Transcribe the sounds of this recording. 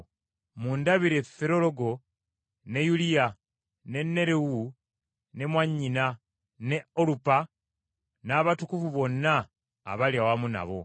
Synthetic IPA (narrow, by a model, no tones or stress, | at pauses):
mundaβiɾe̞feɾo̞lo̞ɡo̞ | ne̞julija | ne̞nːe̞ɾewu | ne̞mwaɲːina | ne̞olupa | naːβatukufuβo̞nːa̰ː | βaljawamuna̰βo̞̰